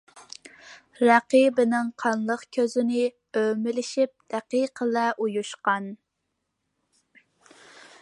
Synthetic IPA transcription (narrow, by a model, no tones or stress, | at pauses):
ɾɛqibɪnɪŋqʰɑnlˠəqkʲʰøzɪnɪ | ømɪlɪʃip̚d̪̥ɛqiqʰəlɛʔujuʃqɑn